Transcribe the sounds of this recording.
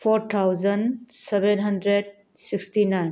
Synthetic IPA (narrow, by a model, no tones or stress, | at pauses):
pʰɔɾt̪ʰawzənsɛbenɦʌndɾed̚ | siksʈinajn